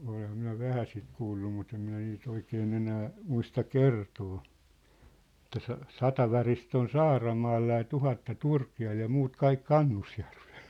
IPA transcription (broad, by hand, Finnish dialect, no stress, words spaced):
olehˑɑm minæ ʋæhæ sit kuːlːu mut em minæ niːt oikeːn enæː muistɑ kertoː ĕtˑæ sɑ sɑtɑ ʋɑrist on sɑːrɑmɑːlːɑ jɑ tuhɑtːɑ turkiɑl jɑ muːt kɑik kɑnːusjærʋe̥l̥